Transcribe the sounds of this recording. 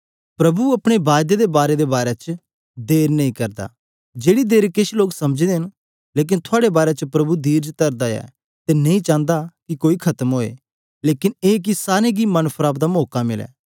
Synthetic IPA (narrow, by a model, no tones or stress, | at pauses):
pɾɐbuɐpɽ̃ebaːd̪ed̪ebaːɾed̪ebaːɾet͡ʃə | d̪eːɾnɐĩkɐɾd̪a̰ː | d͡ʒeːɽid̪eːɾkɪʃloːksɐmd͡ʒid̪eɦɪn | leːk̬ɪnt̪ʰʊaːɽebaːɾet͡ʃəpɾɐbud̪iːɾd͡ʒt̪ɐɾd̪aɛ̰ː | t̪enɐĩt͡ʃãːnd̪akikoːikʰɐt̪əmɦoːḛː | leːkɪneːk̬isaːɾeɡimɐnpʰɾaːbd̪amoːkamɪlɛ̰ː